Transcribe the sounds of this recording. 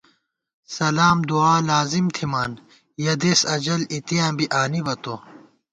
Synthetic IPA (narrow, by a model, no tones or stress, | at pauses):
sɐlaːmd̪uaːlaːzimt̪ʰimaːn | jɐd̪eːsɐd͡ʑɐlit̪ijãːbiʔaːnibɐt̪oː